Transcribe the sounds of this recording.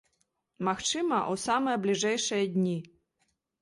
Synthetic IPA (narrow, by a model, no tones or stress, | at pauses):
mɐxt͡ʂɨmɐʔusamɐjɛblʲiʐɛjʂɨjɐd̪ʲnʲi